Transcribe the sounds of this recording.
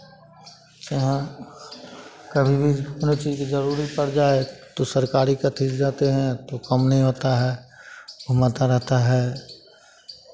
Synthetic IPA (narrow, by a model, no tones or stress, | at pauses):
d͡ʒəɦã | kɐbʱibʱinot͡ʃiːd͡ʒkizəɾuːɾipɐɽd͡ʒaːet̪osəɾkaːɾikat̪ʰisd͡ʒaːt̪eɦɛ̃t̪okɐmnəɦĩɦoːt̪aɦɛː | ʊmat̪aɾɛɦt̪aɦɛː